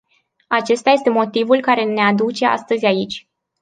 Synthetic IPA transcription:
at͡ʃe̞st̪aje̞st̪e̞mo̞t̪ivulkaɾe̞ne̞ad̪ut͡ʃe̞a̰st̪əzʲait͡ʃʲ

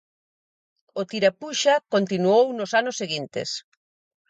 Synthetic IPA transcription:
ʊt̪iɾapuʃakont̪inuownʊsanʊsːeɣint̪ḛs

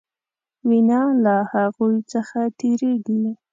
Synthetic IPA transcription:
winɑlahaɣujt͡səxat̪ʰeɾeɡi

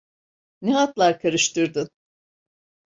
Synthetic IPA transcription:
neɦat̪lˠaɾkʰaɾɯʃt̪ʰɯɾd̪ɯn

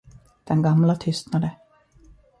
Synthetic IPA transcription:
d̪̥ɛnɡamlat̪ʰʏst̪nad̪ə

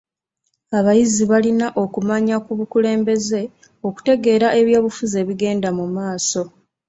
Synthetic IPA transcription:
aβajiziβalinaʔo̞kumaɲakuβukule̞ːmbe̞ze̞ | o̞ku̥te̞ɡe̞ːɾaʔe̞βjo̞ːβufuze̞ːβiɡe̞ːndamumaːso̞

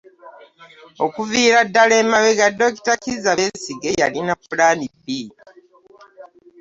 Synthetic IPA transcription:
o̞kuviːɾadːaleːmaweɡadːo̞ki̥takizaβesiɡejalinapulaːnibi

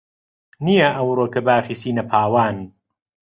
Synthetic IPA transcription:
ijɐʔɐwɾoːkɐbaːfisiːnɐpʰaːwaːn

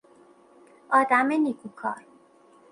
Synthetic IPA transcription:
ɒːd̪æmenikʰukʰɒ̰ːɾ

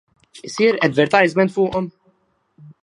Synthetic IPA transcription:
ɪsiːɾɛd̪vɛɾt̪ɐjzmɛnt̪fʊːʔɔm

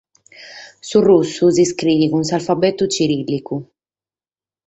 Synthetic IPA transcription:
surusːuziskɾiːvikunsalfabɛt̪ut͡ʃiɾilːiku

